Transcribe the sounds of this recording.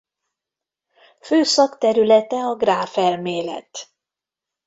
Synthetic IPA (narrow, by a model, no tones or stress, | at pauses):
føːsɒkt̪ɛɾylɛt̪ɛɒɡraːfɛlmeːlɛ̰t̪